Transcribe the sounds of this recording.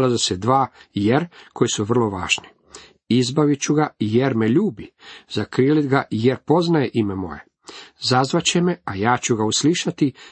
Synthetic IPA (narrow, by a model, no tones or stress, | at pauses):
lazesed̪ʋaːjeɾkʰo̞jsuʋr̩lo̞ʋa̰ːʒ̥ni̥ | izbaʋit͡ɕuɡajeɾmeʎuːbizakɾiːlid̪ɡajeɾpo̞znajeʔimemo̞̰je̞̰ | zazʋat͡ɕe̞meajaːt͡ɕuɡausliʃat̪i